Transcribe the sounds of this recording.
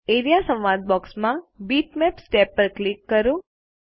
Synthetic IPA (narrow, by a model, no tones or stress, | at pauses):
eɾijasə̃wʋad̪̚bɔksmãbiʈmɛpsʈepːəɾklikːəɾũ